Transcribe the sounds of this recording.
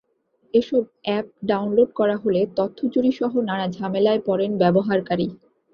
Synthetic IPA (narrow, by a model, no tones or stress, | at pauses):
eʃɔb̚ɛp̚ɖawnloɖ̚kɔɾaɦolet̪ot̪ʰːod͡ʑuɾiʃɔɦonaɽad͡ʑʱamelaepɔɾenbɛboɦaɾkaɾi